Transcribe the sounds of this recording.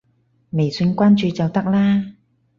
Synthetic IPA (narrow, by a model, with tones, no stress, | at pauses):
me˨˩jsi˧nkʷaː˥nt͡ʃyː˨˧t͡sɐ˨wt̪ɐ˥k̚laː˥